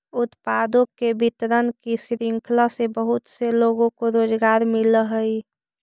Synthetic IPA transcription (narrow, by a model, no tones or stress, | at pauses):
ʊt̪pad̪õkebit̪ɾənkisɾiŋkʰlasebəɦʊt̪seloɡõkoɾoːd͡ʒɡaːɾmɪləɦəi